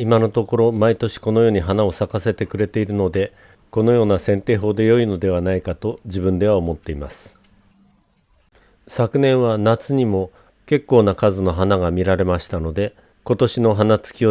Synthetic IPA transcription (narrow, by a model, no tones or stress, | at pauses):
imano̞t̪o̞ko̞ɾo̞mait̪o̞ɕi̥ko̞no̞jo̞ːɲ̟iɦanao̞sakase̞t̪e̞kɯ̟ɾe̞t̪e̞iɾɯ̟no̞d̪e̞ | ko̞no̞jo̞ːnasẽ̞nt̪e̞ːɦo̞ːd̪e̞jo̞ino̞d̪e̞β̞anaikat̪o̞ʑibɯ̟̃nd̪e̞βaomo̞t̪ːe̞imasɨ̥ | sakɯ̟nẽ̞ɰ̃β̞anat͡sɨɲ̟imo̞ | ke̞kːo̞ːnakazɨno̞ɦanaɡamʲiɾaɾe̞maɕi̥t̪ano̞d̪e̞ | ko̞t̪o̞ɕino̞ɦanat͡sɨ̥kʲio